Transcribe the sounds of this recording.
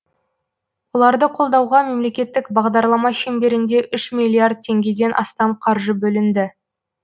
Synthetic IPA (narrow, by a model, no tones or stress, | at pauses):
wolˠɑɾd̪əqʰo̞lˠd̪ɑwʁɑme̞mle̞kʲe̞t̪ːɪkbɑʁd̪ɑɾlˠɑmɑʃe̞mbe̞ɾɪnd̪e̞ʔʏʃmilʲˠːiard̪̚t̪ʲʰe̞ŋɡʲe̞d̪e̞nʔɑ̰st̪ɑmqʰɑɾʒəbɵlɪnd̪ɪ